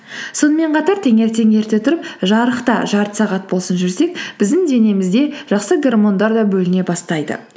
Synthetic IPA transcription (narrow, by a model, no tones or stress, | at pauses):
so̞nəme̞ɴqʰɑt̪ɑɾt̪ʰeŋe̞ɾt̪e̞ŋe̞ɾt̪e̞t̪ʰʊɾəpʒɑɾəqt̪ɑ̰ʒɑɾt̪ə̥sɑʁɑt̪̚bo̞lˠsənʒʏɾse̞k̚b̥ɪzd̪ɪŋd̪e̞ne̞mɪzd̪e̞ʒ̥ɑqsəɡʲe̞rmo̞nd̪ɑɾd̪ɑbɵlɪne̞bɑst̪ɑjd̪ə̰